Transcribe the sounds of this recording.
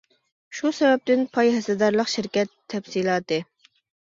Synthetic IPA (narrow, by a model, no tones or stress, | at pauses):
ʃusɛbɛp̚t̪ɪnpʰɑjɦɛsɨd̪ɑɾlˠəqʃɪɾkʲɛt̪ʰːɛfsilˠɑːt̪ɨ